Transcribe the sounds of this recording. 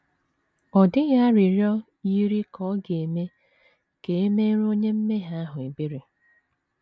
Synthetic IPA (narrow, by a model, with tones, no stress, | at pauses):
ɔ˨dɪ˦ɣa˦a˦ɾi˨ɾjɔ˦ | i˦ɾi˦kɔ˦ɡe˨me˦ | ke˨e˦me˦ɾo˦ɲe˦m̩˦me˦ɦa˦a˦ɦʊ˨e˨bi˦ɾi˨